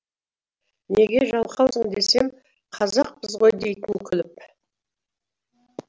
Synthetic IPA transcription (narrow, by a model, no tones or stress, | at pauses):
ne̞ɡʲe̞ʒɑlˠqɑwsəŋd̪e̞sem | qʰɑzɑq̚pəzʁo̞jd̪e̞jt̪ɪnkʲʰʏlɪp